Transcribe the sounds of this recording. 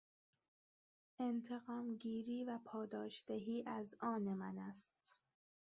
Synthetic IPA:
ʔe̞nt̪ʰe̞ɣɒːmɟiːɾiːvæpʰɒːd̪ɒːʃd̪eɦiːʔæzɒːnemænæst̪

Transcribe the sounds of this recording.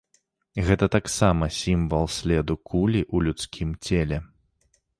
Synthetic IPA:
ɣɛt̪ɐt̪aksamɐsʲimvɐlˠsʲlʲɛd̪ukʰulʲiʔulʲut̪skʲimt͡sʲelʲɛ

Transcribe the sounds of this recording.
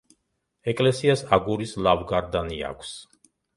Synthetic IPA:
ɛkʼlɛsiasaɡuɾislavɡaɾd̪ania̰kʷʰs

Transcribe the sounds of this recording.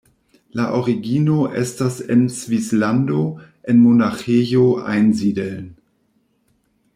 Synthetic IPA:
laʔɔʁiɡiːnoʔɛ̰stasɪnsv̥islandoʔɪnmonaχeːjoʔa̰ɪnziːdəln

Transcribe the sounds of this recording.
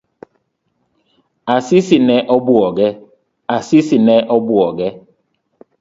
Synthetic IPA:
asisinɛʔɔbuɔɡɛ | asisinɛʔɔbuɔɡɛ

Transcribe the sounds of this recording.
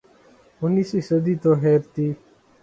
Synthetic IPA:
ʊniːsiːsəd̪iːt̪oːɦeːɾt̪iː

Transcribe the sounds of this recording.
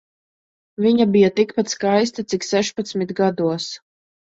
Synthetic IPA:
viɲabijat̪ikpat̪skajst̪at̪iksɛʃpat̪smit̪ɡad̪uɔs

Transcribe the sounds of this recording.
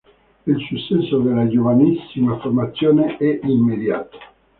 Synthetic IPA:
ilsusːɛnsod̪elad͡ʒovanisːimaformat̪sːjoːneʔɛʔimːed̪ja̰ːt̪o̥

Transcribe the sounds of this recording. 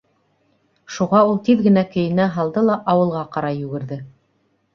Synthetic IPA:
ʃuʁɑulˠt̪iðɡɘ̆nækɘ̆jɘ̆næɦɑlˠd̪ɤlˠɑʔɑwɤ̆lˠʁɑqɑɾɑjʉɡɘ̆ɾðɘ

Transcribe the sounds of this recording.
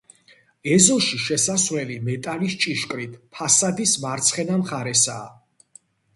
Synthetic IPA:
ɛzɔʃiʃɛsasvɾɛlimɛt̪ʼalist͡ʃʼiʃkʼɾit̪ʰpʰasad̪ismaɾt̪sʰχɛnamχaɾɛsaː

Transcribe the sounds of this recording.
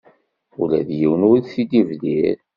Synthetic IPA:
ulæðjiwənʊɾiθid̪ivliɾ

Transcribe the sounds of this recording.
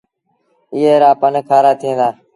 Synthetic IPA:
ɪɦeːɾaːpənkʰaːɾaːt̪ʰĩːnd̪aː

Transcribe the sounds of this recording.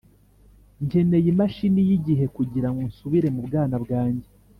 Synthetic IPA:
ɲɟe̞ne̞jimaʃinijiɟiɦe̞kuɟiɾaŋɡonsuβiɾe̞mubɡaːnabɡaːɲɟe

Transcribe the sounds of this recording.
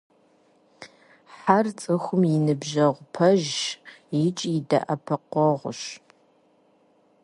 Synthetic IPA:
ħart͡sʼɨxʷʊmjɪnɨbʒɐʁʷʊpʰɐʒjɪt͡ʃʼɪdɐ̰ʔɐpʰɐqʷɔʁʷʊɕ

